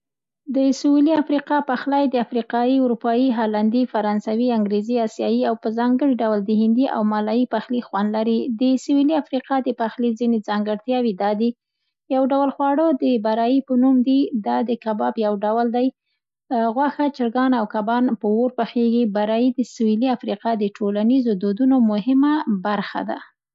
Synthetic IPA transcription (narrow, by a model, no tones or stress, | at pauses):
d̪əsuiliafɾiqɑpaxlɑjd̪əafɾiqɑiʊɾupɑiɦɑland̪ifaɾɑnsawiaŋɡɾeziɑsjɑjiawpəzɑŋɡəɽiɖawəld̪əhɪnd̪iʔa̰wmɑlɑjipaxlixwanlaɾid̪əsuwiliafɾiqɑd̪əpaxlizined͡zɑŋɡəɽt̪jɑwid̪ɑd̪i | jawɖawəlxwɑɽəd̪əbaɾɑjipənumd̪id̪ɑd̪əkabɑbjawɖawəld̪aj | ɣwaxat͡ʃɪɾɡɑnawkabɑnpəwoɾpəxeɡibaɾɑjid̪əswiliafɾiqɑd̪əʈʰolanizod̪od̪unomʊɦɪmabaɾxa̰d̪a̰